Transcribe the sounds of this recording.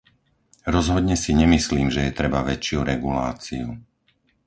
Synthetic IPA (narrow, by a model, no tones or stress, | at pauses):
ɾɔzɦɔd̪ɲɛsiɲɛmisliːmʒɛjɛt̪ɾɛbaʋɛt͡ʃɪuɾɛɡulaːt͡siu